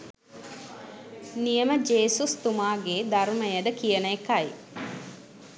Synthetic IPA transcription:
nijəməd͡ʒeːsust̪umaːɡeːd̪aɾuməjəd̪əkijənəekaj

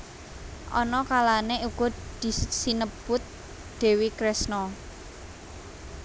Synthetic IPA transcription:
ʔɔnɔkalaneʔuɡ̥ɔ̤d̪̥i̤sinəb̥ʊt̪̚ | d̪̥e̤wikɾɛsnɔ

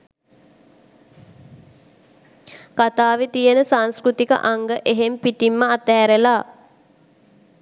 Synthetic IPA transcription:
kat̪aːʋet̪ijənəsanskɾut̪ikə̰ʔaŋɡəʔeɦempiʈimːəat̪ɛːɾelaː

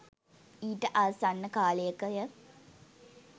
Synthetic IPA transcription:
iːʈəʔasanːəkaːlejəkəjə

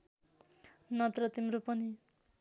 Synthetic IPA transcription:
nʌt̪rʌt̪imɾopʌni

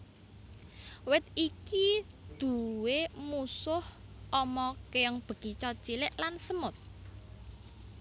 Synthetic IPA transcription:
wɪt̪̚iki | d̪̥ṳwemusʊhʔɔmɔkeəŋb̥ə̤ɡ̥it͡ʃɔt͡ʃilɪʔlansəmʊt̪̚

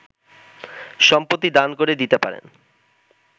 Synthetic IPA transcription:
ʃɔmpot̪ːid̪ankoɾed̪it̪epa̰ɾḛn

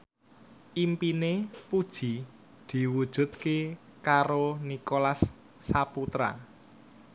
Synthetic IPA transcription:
ʔimpinepud̥ʒ̥i̤ | d̪̥i̤wud̥ʒ̥ʊ̤t̪̚ke | kaɾonikolasː | aput̪ɾa̰

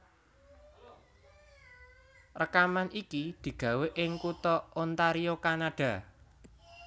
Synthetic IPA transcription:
rəkamanʔikid̪̥i̤ɡ̥ä̤weʔɪŋkut̪ɔont̪aɾiokanaɖ̥a̤

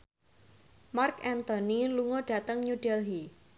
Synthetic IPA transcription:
markɛnt̪ɔniluŋoɖ̥a̤t̪əŋɲuɖ̥ɛlɦi

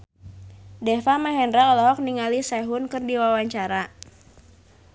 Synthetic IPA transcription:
dɛfamaɦɛndɾalɔk̚niŋalisɛɦʊnkɨrdiwawaɲt͡ʃaɾa

